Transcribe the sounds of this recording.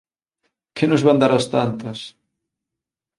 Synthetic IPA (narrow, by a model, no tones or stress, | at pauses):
kɪnʊzβand̪aɾast̪ant̪ɐs